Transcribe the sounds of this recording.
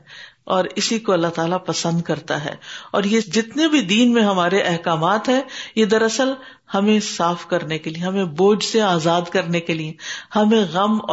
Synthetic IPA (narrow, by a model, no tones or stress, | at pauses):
ɔːɾɪsikoɐlːaɦt̪aːlapɐsə̃nd̪̚kɐɾt̪aɦɛ̰ːɔːɾjed͡ʒɪt̪nebʱid̪iːnmẽɦɐmaːɾeʔɛɦkaːmaːt̪ɦɛ̃jed̪ɐɾɐsəl | hɐmẽsaːfkɐɾnekeliẽɦɐmẽboːd͡ʒseaːzaːd̪kɐɾnekeliẽhɐmẽɣɐmː